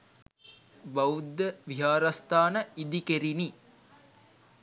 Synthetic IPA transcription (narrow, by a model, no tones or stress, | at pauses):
bɐud̪ːəʋiɦaːɾast̪aːnəid̪ikeɾini